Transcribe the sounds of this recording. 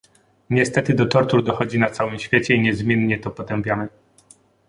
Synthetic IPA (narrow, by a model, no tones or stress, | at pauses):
ɲɛst̪ɛt̪ɘd̪ɔt̪ɔɾt̪uɾd̪ɔxɔd͡ʑinat̪sawɘmɕfʲjet͡ɕɛiɲɛzmʲjɛnɲɛt̪ɔpɔt̪ɛmpʲjanɛ